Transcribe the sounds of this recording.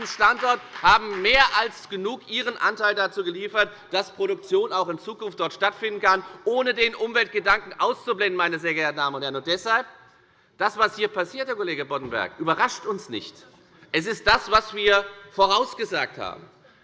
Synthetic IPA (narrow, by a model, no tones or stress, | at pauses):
n̩ʃtantɔɐthaːbm̩meːɐʔalsɡ̥ənuːkʔiːʁ̞ənʔa̰ntaɪldat͡suːɡəliːfɐt | d̥aspʁ̥oɾʊkt͡sjoːnaʊxɪnt͡suːkʊnftd̥ɔɐtʃtatfɪndn̩kʰanʔoːnədeːnʔʊmvɛlt̚ɡ̥ədaŋkŋ̩ʔa̰ʊst͡sublɛndn̩maɪnəzeːɐɡɛɐtn̩daːmənʊnt̚hɛɐnʊntd̥ɛshalp̚ | d̥asv̥ashiːɐpʰasiːɐtd̥eːɐkoleːɡəbɔtn̩bɛ̰ɐkʔyːbɐʁaʃtʊnsnɪ̰çt | ʔɛs̬ɪst̚d̥asv̥asv̥iːɐfoːʁaʊsɡ̥əzaːk̚tha̰ːbm̩